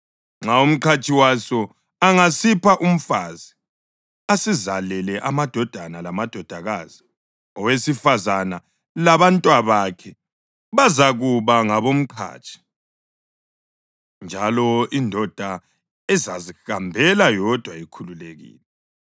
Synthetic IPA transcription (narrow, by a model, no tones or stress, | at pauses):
ŋ͡ǁaum̩ǃʰat͡ʃʼʰiwasɔ | aŋasipʰaʔum̩fazi | asizalɛlɛʔamad̥ʱɔd̥ʱanalamad̥ʱɔd̥ʱaɣazi | ɔwesifazana | laβantʼwaβakʰɛ | βazaɣuβaŋaβom̩ǃʰa̰ːt͡ʃʼʰi̥ | nd͡ʒʱalɔindʱɔd̥ʱa | ɛzazixambʱɛlajɔd̥ʱwaikʰululeɣḭːlɛ